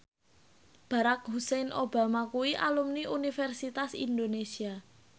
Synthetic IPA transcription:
b̥a̤ɾak̚husɛnʔob̥a̤makuwiʔa̰lumniʔunifɛrsit̪asḭnd̪onesia

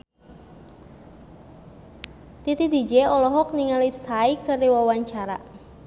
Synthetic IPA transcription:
t̪it̪id̪i̤d͡ʒeɔlɔɦɔk̚niŋalip̚saikəriwawaɲt͡ʃaɾa̰

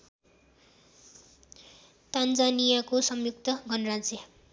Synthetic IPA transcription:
t̪and͡zanijakosʌmjuk̚t̪ʌɡʱʌnrad͡ze

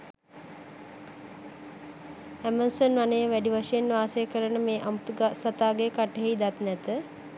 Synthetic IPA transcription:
æmənsənʋanəjəʋæɖiʋaʂəjenʋaːsejəkəɾənəmeːʔamt̪uɡasat̪aːɡeəkaʈːəɦeid̪at̪nɛt̪ə

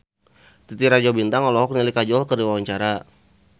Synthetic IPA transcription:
t̪it̪iɾad͡ʒabint̪aŋɔlɔɦɔk̚nilikad͡ʒɔlkərdiwawaɲt͡ʃaɾa

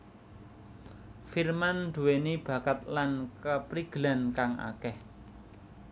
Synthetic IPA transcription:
firmand̪̥ṳwenib̥ä̤kət̪̚lankəpɾiɡ̥əlankaŋʔa̰kɛh

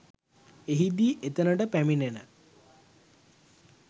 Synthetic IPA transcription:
eɦid̪iːʔet̪ənəʈəpæminenə

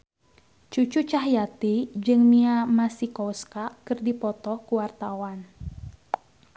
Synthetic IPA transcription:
t͡ʃut͡ʃut͡ʃaɦjat̪id͡ʒɨŋmiamasikɔwskakɨrdipɔt̪ɔkuwart̪awan

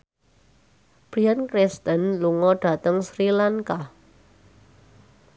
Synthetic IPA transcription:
b̥ɾiankɾɪst̪ənluŋɔɖ̥a̤t̪əŋsɾilaŋka

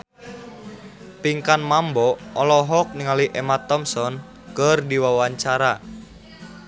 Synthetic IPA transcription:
piŋkanmambɔɔlɔɦɔk̚niŋaliʔemat̪ɔmsɔn | kərdiwawaɲt͡ʃaɾa

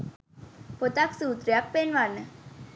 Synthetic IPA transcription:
pot̪aksut̪ɾjak̚penʋanə

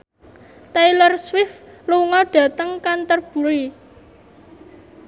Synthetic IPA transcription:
t̪ajlərswɪfluŋɔɖ̥ä̤t̪əŋkant̪ərb̥ṳli

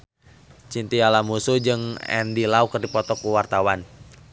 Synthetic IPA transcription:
t͡ʃint̪ialamusud͡ʒɨŋɛ̰ndilaukərdipɔt̪ɔkuwart̪awan

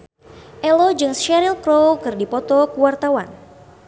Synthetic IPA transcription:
ʔɛlɔd͡ʒɨŋsʃɛɾilkɾowkɨrdipɔt̪ɔkuwart̪awan

